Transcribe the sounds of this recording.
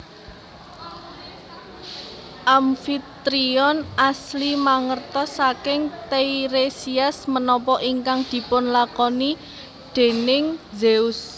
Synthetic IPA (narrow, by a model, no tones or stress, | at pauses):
ʔamfit̪ɾiɔnʔaslimaŋərt̪ɔsakɪŋt̪eiɾesiasmənɔpɔʔiŋkaŋd̪̥i̤pʊnlakɔni | ɖ̪̥e̤nɪŋzeʊs